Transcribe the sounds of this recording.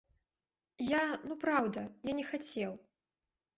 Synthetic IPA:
janupɾawd̪ɐjanʲɛxat͡sʲɛw

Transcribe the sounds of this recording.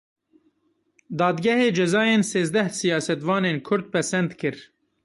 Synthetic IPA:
d̪ɑːd̪ɡʲɛheːd͡ʒɛzɑːjeːnseːzd̪ɛhsijɑːsɛt̪vɑːneːnkʰʊɾd̪̚pʰɛsɛnd̪kʰɨɾ

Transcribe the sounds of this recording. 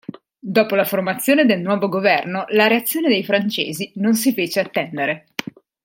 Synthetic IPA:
d̪ɔːpolaformat̪sːjoːned̪elnwɔːvoɡovɛrnolaɾeat̪sːjoːned̪ejfɾant͡ʃḛːzinons̬ifeːt͡ʃeat̪ːɛnd̪eɾe

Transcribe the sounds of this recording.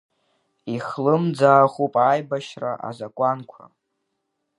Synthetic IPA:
iχlɨmd͡zaːχʷupʼaːjbaʃraʔa̰zakʷʼankʷʰa̰

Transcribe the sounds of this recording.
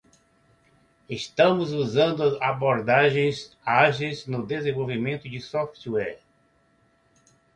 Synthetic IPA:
est̪ɐ̃mʊzuzɐ̃nd̪ʊaboɾd̪aʒẽj̃z | aʒejznʊd̪ezẽvowvimẽnt̪ʊd͡ʒɪsɔft̪ɛɾ

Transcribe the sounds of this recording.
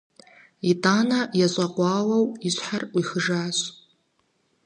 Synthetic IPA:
itʼaːnajaɕʷʼaqʷaːwawiɕʷħarwixəʐaːsʷ

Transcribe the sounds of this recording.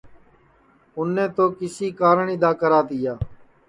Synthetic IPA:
ʊnːẽːt̪oːkɪsiːkaːɾəɳiːd̪aːkəɾaːt̪ijaː

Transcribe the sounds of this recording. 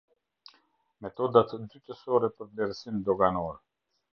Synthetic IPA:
mɛt̪ɔd̪at̪d̪yt̪əsɔɾɛpəɾvlɛɾsimd̪ɔɡanɔɾɛ

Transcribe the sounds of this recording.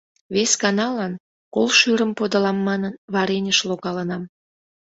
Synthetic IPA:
βeskɑnɑlɑn | kolʃyɾəmpod̪əlɑmːɑnənβɑɾenʲəʃloɣɑlənɑm

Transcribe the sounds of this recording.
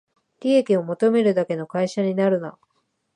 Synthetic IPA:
d̥ʲiekʲio̞mo̞t̪o̞me̞ɾɯ̟d̪ake̞no̞kaiɕaɲ̟inaɾɯ̟na̰

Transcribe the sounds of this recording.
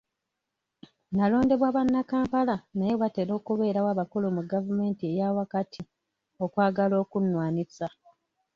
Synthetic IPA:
nalo̞ːnde̞βwaβanːakaːmpalanajoβate̞ɾo̞ːkuβe̞ːɾawaːβakulumuɡavume̞ːntie̞jawakatʰi | o̞kwaːɡalo̞ːkunːwaːnisa

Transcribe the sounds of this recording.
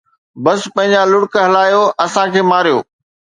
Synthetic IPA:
bɐspɐ̃ɦɪ̃ɲd͡ʑalʊɽkɦɐlaːjoʔɐsãkʰeːmaːɾijo̰ː

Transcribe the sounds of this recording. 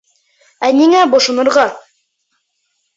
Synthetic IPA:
æniŋæbŏʃŏnɤ̆ɾʁɑ

